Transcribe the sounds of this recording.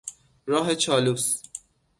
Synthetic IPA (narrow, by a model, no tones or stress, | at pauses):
ɾɒːɦe̞t͡ʃʰɒːluːs